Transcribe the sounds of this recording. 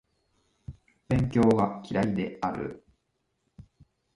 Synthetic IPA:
b̥ẽ̞ŋkʲo̞ːɡakʲiɾaid̪e̞aɾɯ̟̰

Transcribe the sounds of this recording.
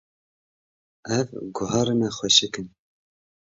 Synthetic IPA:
ɛvɡʊhɑːɾɨnɛxʷɛʃɨkɨn

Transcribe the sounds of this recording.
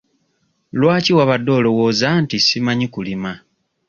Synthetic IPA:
lwaːciwaβadːo̞ːlowoːzantisimaɲikulima

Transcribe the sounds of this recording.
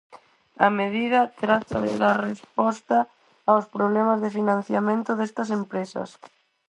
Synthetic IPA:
ɐmeð̞ið̞ɐt̪ɾat̪ɐðḛlarespɔst̪ɐː | wspɾoβlɛmazðɪfinãn̟θjamẽnt̪ʊðest̪ɐsempɾesɐ̰s

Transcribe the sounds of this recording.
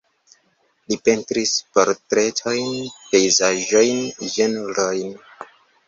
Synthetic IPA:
lipe̞ntɾispeɾtɾe̞tʰajnpe̞jzaʒo̞jnʒenɾojn

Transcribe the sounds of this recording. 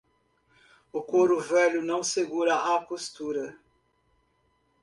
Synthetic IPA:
ʊkoɾʊvɛlʊnɐ̃w̃seɡuɾɐakost̪uɾɐ

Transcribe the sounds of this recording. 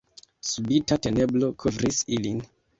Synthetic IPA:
subitate̞ne̞blo̞kʰovɾisilin

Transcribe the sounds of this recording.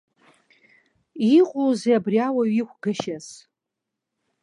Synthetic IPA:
iqʷʼozeabriawaɥikʷʰɡaʃaz

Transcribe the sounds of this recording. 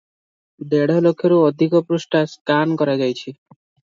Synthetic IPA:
d̪eɽ̤ɔlokʰːjɔɾuɔd̪ʱikɔpɾusʈaskankɔɾad͡ʒajt͡ʃʰi

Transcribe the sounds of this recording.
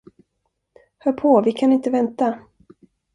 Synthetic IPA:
hœːɾpʰɔvɪkʰanɪnt̪əvɛnt̪a

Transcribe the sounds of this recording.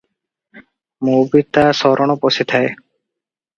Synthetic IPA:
mubit̪asɔɾʔɔɳ̃ɔposit̪ʰae

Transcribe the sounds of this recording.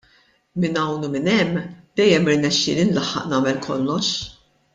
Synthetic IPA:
mɪnɐwnumɪnɛmːd̪̥ɛjːɛmɪɾnɛʃːɪ̰ːlinlɐħːɐ̰ʔnɐːmɛlkʰɔ̰lːɔʃ

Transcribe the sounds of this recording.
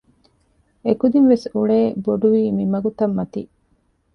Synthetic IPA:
ekud̪inʋesuɭeːboɖuʋiːmimɐɡut̪ɐmːɐt̪ḭ

